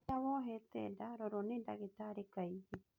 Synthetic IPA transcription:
awoɦet̪edaɾoɾonẽda̰ɡet̪aɾekajd͡ʒi

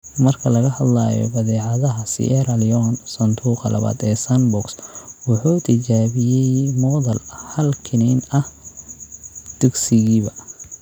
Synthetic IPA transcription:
mɐrkʰɐlɐɣɐhɐd̪laːjɔ̰bɐðɛːʕɑðɐɦɐsɪ̰ʔɛɾɐljɔnsɐnt̪ʰuːqɑlɐ̰βa̰ːd̪ɛːsanbɔkswɑħuːt̪ʰɪt͡ʃaːβɪjɛjmɔːðɐlhɐlkʰɪnɛnɐh | d̪̥ʊɡsɪɣiːβɐ

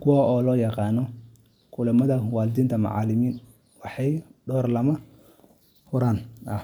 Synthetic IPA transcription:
kʰʊwaːʔɔːlɔːjɑqɑːnɔ | kʰʊlɐmɐðɐwɑːlɪd̪iːnt̪ʰɐmɑ̰ʕɑ̰ːlɪmiːn | wɑħɑjɖɔːrlɐmɐ | hʊɾaːnʔɐh

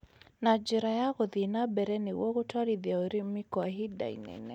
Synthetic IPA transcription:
nad͡ʒɛɾajaɣoðinabɛɾɛnɪwɔɣotaɾiðjaoɾimɪkɔaɦida̰ḭnɛ̰nɛ

